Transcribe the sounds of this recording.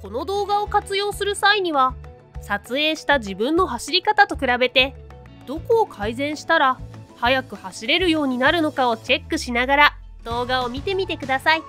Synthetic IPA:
ko̞no̞d̪o̞ːɡao̞kat͡sɨjo̞ːsɨɾɯ̟saiɲ̟iβa | sat͡sɨe̞ːɕi̥t̪aʑibɯ̟̃nːo̞ɦaɕiɾʲikat̪at̪o̞kɯ̟ɾabe̞t̪e̞ | d̪̥o̞ko̞ːkʰaizẽ̞ɰ̃ɕi̥t̪aɾahajakɯ̟haɕiɾe̞ɾɯ̟jo̞ːɲ̟inaɾɯ̟no̞kao̞t͡ɕe̞kːɯ̟ɕinaɡaɾa | d̪̥o̞ːɡao̞mʲit̪e̞mʲit̪e̞kɯ̟d̪asai

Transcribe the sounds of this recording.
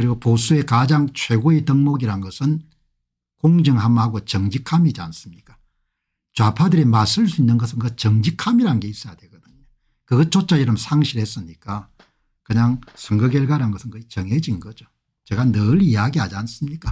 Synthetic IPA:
kɯɾiɡoposue̞kad͡ʑaŋt͡ɕʰwe̞ɡoetʌŋmoɡiɾanɡʌsʰɯn | koŋd͡ʑɯŋɦamhaɡot͡ɕʌŋd͡ʑikʰamid͡ʑans͈ɯmɲik͈ḁ | t͡ɕoapʰadɯɾemasɯɭs͈uinːɯnɡʌsʰɯnkʌt͡ɕʌŋd͡ʑikʰamiɾanɡe̞is͈ʌjadwe̞ɡʌdɯɲo | kɯɡʌt͡ɕot͡ɕ͈ajiɾʌmsʰaŋɕʰiɾhe̞s͈ɯmɲik͈a | kɯɲaŋsʰɯŋɡɯɡeɭɡaɾanɡʌsʰɯnkɯit͡ɕʌŋɦed͡ʑinɡʌd͡ʑo | t͡ɕeɡanɯɾiaɡiɦad͡ʑians͈ɯmɲik͈a

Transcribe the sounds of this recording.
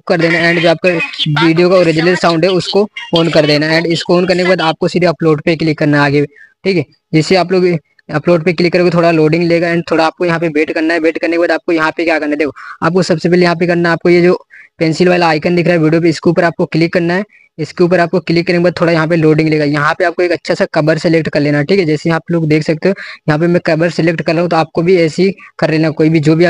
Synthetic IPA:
kɐɾd̪eːnaɛ̃ːɳɖd͡ʒoːaːp̚kaʋiːɖijokaoɾɪd͡ʒɪləɾsaːʊ̃ɳɖɦɛʊskofoːnkɐɾd̪eːnaɛ̃ːɳɖɪskoːnkɐɾnekebaːd̪aːp̚kosiːɾɐploːɖpeklɪkːɐɾnaaːɡe | ʈʰiːkɦɛː | d͡ʒɪseaːp̬loːɡ | ɐploːɖpeklɪkːəɾeɡot̪ʰoːɽaloːɖɪ̃ŋɡleːɡaɛ̃ːɳɖ̚t̪ʰoːɽaaːp̚kojɐɦãpebeːʈkɐɾnaɦɛbeːʈkɐɾnekebaːd̪aːp̚kojɐɦãpekjaːkɐɾnad̪eːkʰoa̰ːpkosɐbsepɛːlejɐɦãpekɐɾnaɛaːp̚kojed͡ʒoːpɛ̃ːnsɪlʋaːɪlaaːɪkənd̪ɪkʰɾaːɦɛʋiːɖijop̬eɪskeuːpəɾaːp̚kokɪlɪkːɐɾnaɦɛː | ɪskeuːp̬əɾaːp̚koklɪkːɐɾẽːɡebaːd̪t̪ʰːoːɽajɐɦãp̬eloːɖɪ̃ŋɡleːɡajɐɦãpeaːp̚koeːkɐtːʃʰasakɐbəɾseleːk̚ʈkɐɾleːnaɛʈʰiːkɛd͡ʒɛːsejɐɦaːploːɡd̪eːkʰsɐk̚t̪eɦɛ̃jɐɦãp̬emɛ̃kɐbəɾsɪlekʈkɐɾːɐːɦũt̪̬oaːp̚kobʱiɛːsikɐɾleːnakoːibʱid͡ʒoːbʱiaː

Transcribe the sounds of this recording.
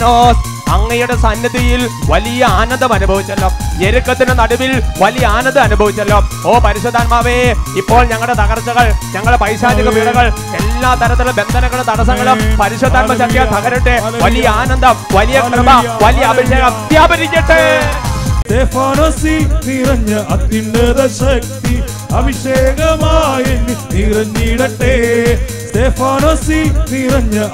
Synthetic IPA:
noːs | ɐŋːɐjuɽe̞sɐnjɐðijilʋɐlijɐaːnɐnd̪ʱɐmɐnubʱɐʋit͡ɕːɐlːoːeɾukːɐt̪ːinenɐɽuʋilʋɐlijɐaːnɐnd̪ɨɐnubʱɐʋit͡ɕːɐlːoːoːpɐɾiɕod̪ʱːaːnmaːʋeipːo̞ːɭɲɐŋːɐɭɽet̪ɐɣɐrt͡ɕːɐɣɐɭɲɐŋːɐɭepɐjɕaːd͡ʑɐɣɐmiɽɐɣɐɭ | e̞lːaːt̪ɐɾɐt̪ːilbe̞nd̪ʱɐnɐŋːɐɭet̪ɐɽɐsɐŋːɐɭumpɐɾiɕod̪ʱːaːmɐt͡ɕɐk̪jɐt̪ɐɣɐɾiʈːɨʋɐlijɐaːnɐnd̪ɐmʋɐlijɐkrɐbɐʋɐlijɐɐbʱiɕeːɣɐmt̪jaːbʱɐɾikʲːɐʈːe | tefaːnɐsinirɐɲːɐʔɐt̪ːiɳɖeðɐɕɐk̚t̪i | ɐbʱiɕeːɣɐmaːjenɖinirɐɲːiɽɐʈːe | sʈ̪eːfaːnɐsinirɐɲːɐ

